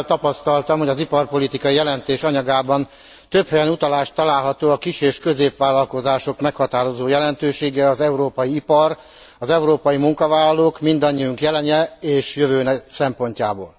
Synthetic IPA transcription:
lt̪ɒpɒst̪ɒlt̪ɒmho̞ɟɒzipɒrpo̞lit̪ikɒjijɛlɛnt̪eːʃɒɲɒɡaːbɒn | t̪øphɛjɛnut̪ɒlaːʃt̪ːɒlaːlɦɒt̪oːɒkiʃeːʃkø̞zeːpʋaːlɒlko̞zaːʃo̞kmɛkhɒt̪aːɾo̞zoːjɛlɛnt̪øːʃeːɡɛɒzɛuɾoːpɒjiipɒr | ɒzɛuɾoːpɒjimuŋkɒvaːlɒloːkmind̪ɒɲːiuŋkjɛlɛɲɛeːʃjøvøːnɛsɛmpo̞ɲcaːbo̰ːl

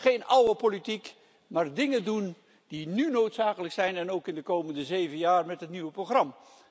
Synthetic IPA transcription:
χejnɑwəpolitik | maːrdɪŋədun | d̥inynowtsaːkələksɛjnɛnowkɪndəkowməndəzejvənjaːɹmɛtɦətniʋəproχrɑm

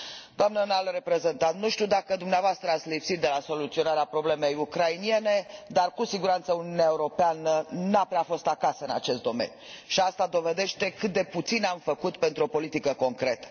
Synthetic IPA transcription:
d̪oamnənalre̞pɾe̞ze̞nt̪at̪nuʃt̪iud̪akəd̪umneavoast̪ɾəat̪sʲlipsit̪̚d̪e̞laso̞lut̪sio̞naɾeapɾo̞ble̞me̞jukɾainije̞ne̞d̪arkusiɡuɾant̪səuniuneaeuɾo̞peanənapɾeafo̞st̪akasəɨna̰t͡ʃe̞st̪d̪ome̞̰nʲjuʃiast̪ad̪o̞ve̞d̪e̞ʃt̪e̞kɨt̪̚d̪e̞put̪sinamfəkut̪pe̞nt̪ɾuo̞po̞lit̪ikəko̞ŋkɾe̞t̪ə̥

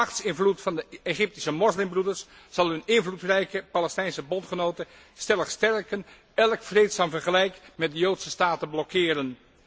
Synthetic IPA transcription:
ɑχtsɪnvlutfɑndəeχɪp̚tisəmɔslɪmbrudəɹsː | ɑlˠɦɵnɪnvlutrɛjkəpalɛstɛjnsəbɔntχənowtə | stɛləχstɛɹkən | ɛlˠkfrejtsaːmvərχəlɛjkmɛt̚dəjowtsəstaːtəblɔkʰːɪːɾən

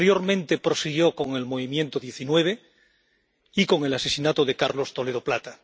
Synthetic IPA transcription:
ɾjo̞ɾmẽnt̪e̞pɾo̞siɣjoko̞ŋe̞lmo̞βimjẽ̞nt̪oðje̞θinwe̞β̞e̞ | iko̞ŋe̞lase̞sinat̪oðe̞kaɾlo̞st̪o̞le̞ð̞oplat̪a

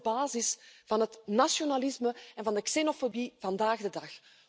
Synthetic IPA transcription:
baːzɪsv̥ɑnɦətnasjonalɪsməɛnvɑndəksenofobiv̥ɑndaːɣdədɑx

